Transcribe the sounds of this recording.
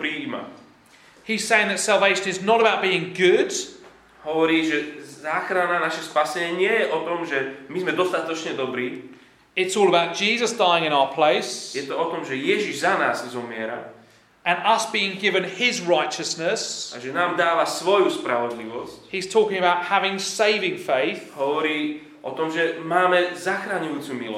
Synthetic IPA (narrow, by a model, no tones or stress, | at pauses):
pɾima̰ | hiz̥seɪɪ̃ŋðətsalˠveɪʃə̃nɪznəɾəbaʊt̚b̥iːɪ̃ŋɡʊd̥ | hɔʋɔɾiːʒɛzaːxɾananaʃɛspasɛɛɲɪɛjɛʔɔt̪ɔmʒɛmizmɛd̪ɔst̪at̪ɔt͡ʃɲɛd̪ɔbɾiː | ɪtsɔːləbaʊt̚d̥ʒ̥iːzəsd̥aɪɪ̃ŋɪ̃ñaʊəpʰl̥eɪsjɛt̪ɔɔt̪ɔmʒɛjɛʒiʒzanaːzzɔmɪɛɾa̰ | ʔə̃nʌsb̥iːɪ̃ŋɡɪvə̃nɪzɹaɪt͡ʃəsnəsʔa̰ʒɛnaːmd̪aːʋasʋɔjuspɾa̰ʋɔd̪liʋɔsc̚hiz̥tʰɔˑkɪ̃ŋəbaʊt̚havɪ̃ŋseɪvɪ̃ŋfeɪθɦɔʋɔɾiː | ʔɔ̰t̪ɔmʒɛmaːmɛzaxɾaɲujuːt͡sumilɔ